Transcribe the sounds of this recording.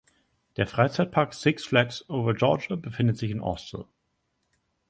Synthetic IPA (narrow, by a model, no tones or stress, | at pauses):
d̥eːɐfʁ̥aɪt͡saɪt̚pʰaɐkz̥ɪksflɛksʔoʊvɐd͡ʒɔɐd͡ʒabəfɪndətz̥ɪçɪnʔɔ̰stl̩